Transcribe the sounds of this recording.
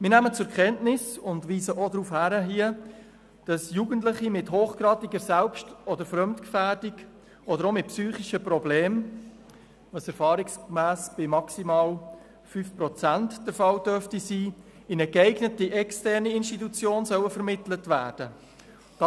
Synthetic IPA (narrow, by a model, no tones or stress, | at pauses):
mɪnæmət͡sʊɾkχɛntnɪsʊndʋiːsəʔodɾuːfhæɾəɦiə | d̥ɑsjuɡənt̬ləχimɪthoːχɡɾɑːtiɡəɾsɛlpʃtɔdəɾfɾœmtkfæːɾdiɡ | ɔdəɾomɪt̚psyːχiʃəpɾɔbleːm | ʋɑsɛɾfɑːɾiksmæːsb̥ɪmɑksimɑːl | fyːfpɾɔt͡sæntd̥ɛɾfɑwd̥œɾftisiː | ɪnəɡɛɪɡnətiʔɛkstɛrniɪnʃtitut͡sjoːnsœwəfəɾmɪtlətvæːd̥ə | d̥ɑ